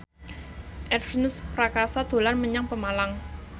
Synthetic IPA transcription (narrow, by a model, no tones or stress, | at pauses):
ʔɛrsnəspɾakasad̪̥o̤lanməɲaŋpəmalaŋ